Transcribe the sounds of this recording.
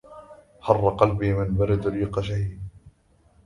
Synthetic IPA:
hɑrˤːɑqɑlbiːmɪnbaɾɪd̪ɾiːqɑʃahiːd̪̚

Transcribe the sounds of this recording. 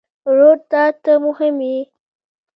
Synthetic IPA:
ɾoɾt̪ɑt̪əmʊhɪmji

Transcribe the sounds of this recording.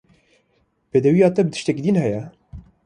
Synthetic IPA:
peːd̪ɛwijɑːt̪ɛbət̪ɨ̥ʃt̪ɛkid̪iːnhɛjɛ

